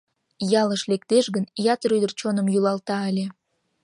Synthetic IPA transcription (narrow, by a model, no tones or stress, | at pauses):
jɑləʃlekt̪eʃɣənjɑt̪əɾyjd̪ərt͡ɕonə̆mjylɑlt̪ɑəlʲe